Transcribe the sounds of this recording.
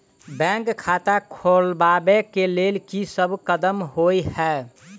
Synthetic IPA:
bɛ̃ŋkʰːat̪akʰolbabekelelkisəbkəd̪əmɦojhɛ

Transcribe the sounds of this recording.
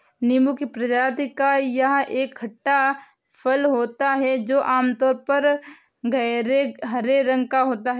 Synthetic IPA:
nɪmukipɾɐd͡ʒaːt̪kajɐɦʔeːkʰːɐʈːapʰəlɦoːt̪aɦɛd͡ʒoːʔaːmt̪ɔːɾpɐɾɡeɦɐɾeɾə̃ŋɡkaɦoːt̪aɦɛ

